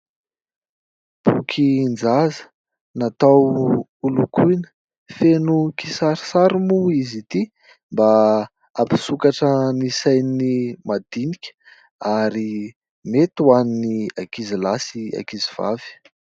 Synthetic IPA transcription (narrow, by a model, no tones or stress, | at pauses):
b̥ṵkʰind͡zazə̥ | nat̪awulukʰujnə̥ | fenukisaɾi̥saɾimuizit̪i | mba | api̥sukaʈ͡ʂənisajnimad̪̥inikʲə̥ | aɾi | met̪uaniniakizilasia̰kiziv̥a̰v̥i̥